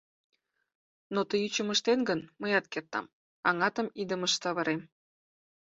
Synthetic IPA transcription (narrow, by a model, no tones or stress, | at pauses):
not̪əjyt͡ɕəməʃt̪enɡənməjɑt̪̚kert̪ɑ̰m | ɑŋɑt̪əmid̪əməʃt̪ɑβəɾem